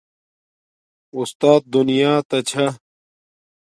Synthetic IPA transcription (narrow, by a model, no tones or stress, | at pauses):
ust̪aːt̪̚d̪unijaːt̪ɐt͡ɕʰɐ